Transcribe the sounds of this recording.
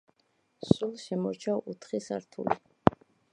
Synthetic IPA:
sulˠʃɛmɔɾt͡ʃʰaut̪ʰχisaɾt̪ʰṵlḭ

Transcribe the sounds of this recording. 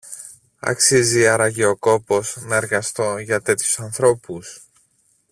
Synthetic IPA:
ɐ̰ksiziɐɾɐʝeoko̞po̞snɐe̞ɾɣɐst̪o̞ʝɐt̪e̞t̪çu̥sɐnθɾo̞pus

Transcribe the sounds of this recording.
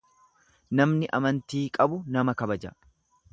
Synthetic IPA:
nɐmnɪʔɐmɐnt̪iːkʼɐbʊnɐmɐkɐbɐd͡ʒɐ̰

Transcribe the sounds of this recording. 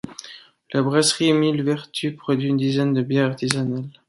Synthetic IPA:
labʁasχimilvɛʁt̪ʰypχɔd̪ɥiːnd̪izɛnd̪əbjɛʁaʁt̪izanal

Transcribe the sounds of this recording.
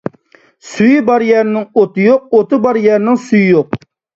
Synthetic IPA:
sujibɑɾjæɾnɪŋot̪ɨjoq̚ot̪ɨbɑɾjæɾnɪŋsujijoq̚

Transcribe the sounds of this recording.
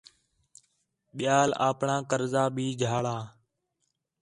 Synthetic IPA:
ɓɪjaːla̰ːpɳãːkəɾzaːbʱiːd͡ʒʱaːɭaː

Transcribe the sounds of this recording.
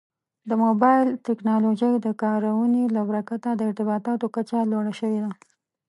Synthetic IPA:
d̪əmobɑjɪlt̪ɪknɑloʒəjd̪əkɑɾawənelabɾakat̪ad̪əɪɾt̪ɪbɑt̪ɑt̪okat͡ʃaloɽaʃəwed̪a

